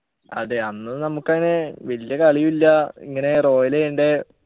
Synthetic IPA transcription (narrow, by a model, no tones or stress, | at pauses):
ɐ̰ðeɐnːɐnɐmukːɐŋːɐne̞ʋɐlijɐkɐɭijumilːɐḭŋːɐne̞ro̞ːjilejuɳɖe̞